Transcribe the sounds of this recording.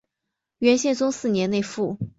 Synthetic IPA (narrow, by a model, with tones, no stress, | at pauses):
ɥɛ˧˥nɕjɛ˥˩nt͡sʊ˥ŋsɹ̩˥˩njɛ˧˥ne˥˧ɪfu˥˩